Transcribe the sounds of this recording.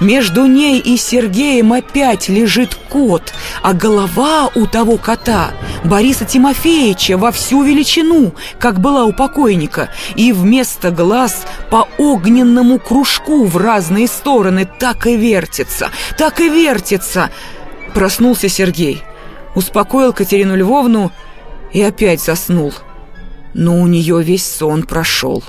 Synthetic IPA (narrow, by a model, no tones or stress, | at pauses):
mʲe̞ʐd̪ʊnʲejʔɪsʲɪrɡʲejəmɐpʲætʲlʲɪʐɨt̪kot̪ɐɡəlˠɐvaʊt̪ɐvo̞kɐt̪abɐɾʲisətʲɪmɐfʲeɪt͡ɕəvɐfsʲuvʲɪlʲɪt͡ɕɪnu | kakbɨlˠaʊpɐko̞jnʲɪkə̰ivmʲe̞st̪əɡlˠaspɐoɡnʲɪnːəmʊkɾʊʂkuvraznɨjəst̪o̞ɾənɨt̪akɪvʲe̞rtʲɪt̪sə̰t̪akɨvʲertʲɪt̪səpɾɐsnulˠsʲəsʲɪrɡʲejʊspɐko̞jɪlˠkətʲɪɾʲinʊlʲvo̞vnʊ | iɐpʲætʲzɐsnulˠ | noʊnʲɪjovʲesʲso̞npɾɐʂo̞̰lˠ